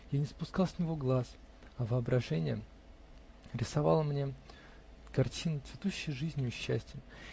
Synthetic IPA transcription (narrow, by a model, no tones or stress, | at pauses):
janʲɪspʊskɑlˠsʲnʲɪvo̞ɡlˠas | ɐvəɐbɾɐʐɛnʲɪjə | ɾʲɪsɐvɑlˠəmnʲe | kɐrtʲinəsvʲɪt̪uɕːɪjʐɨzʲnʲɪʊɕːæ̰sʲtʲɪə